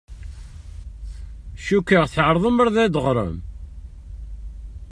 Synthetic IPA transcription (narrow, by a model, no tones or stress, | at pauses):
ʃukːəʁθʕɾˤðˤəməɾðæd̪əʁɾˤə̰m